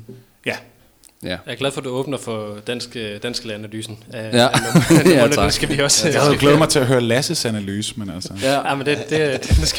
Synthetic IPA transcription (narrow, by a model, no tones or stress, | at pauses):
jæ | jɑɐɡ̥læðˠfɒ̽d̥uɔ̽ːb̥nɐfɒd̥æn̰sɡ̥d̥æn̰sɡ̥lænæly̰ːsn̩ | nesɡ̥æʋiɒ̽sjɑhɡ̥leːðˠmɑ̈ɪt͡sʰe̝æɦøːɐlæsəsænælyːsmenæl̰sɐjɑmənd̥ed̥e̝̥e̥isɡ